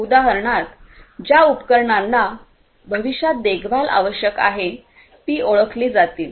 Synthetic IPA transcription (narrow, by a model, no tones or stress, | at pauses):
ud̪aɦəɾɳat̪d͡ʑjaupkəɾɳanːa | bʱəʋiɕjat̪̚d̪eɡʋala̰ʋəɕjəkaɦe | t̪iːʔoɭəkʰliːd͡zat̪iːl